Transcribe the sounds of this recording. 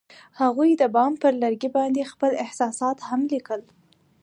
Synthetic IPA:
haɣujd̪əbɑmpəɾlaɾɡibɑnd̪expəlɪhsɑsɑt̪hamlikəl

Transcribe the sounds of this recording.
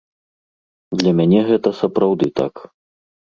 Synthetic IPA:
d̪lʲɐmʲanʲɛɣɛt̪ɐsɐpɾawd̪ɨt̪a̰k

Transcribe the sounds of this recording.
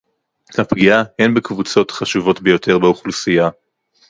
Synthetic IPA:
hapɡiahenbekvut͡so̞tχaʃuvo̞tbe̞jo̞tʰe̞ʁbeuχlusija

